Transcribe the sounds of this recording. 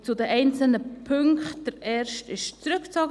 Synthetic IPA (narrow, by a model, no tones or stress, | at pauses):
t͡sʊdɛʔɛɪnt͡səl̩nəpʰʏŋkχt̚d̥əɾɛːrʃtɪʃt͡sɾʏkt͡sɔɡə